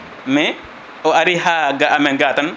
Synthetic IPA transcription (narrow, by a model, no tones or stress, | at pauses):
mɛ | ɔaɾihaɡaʔamɛɡatan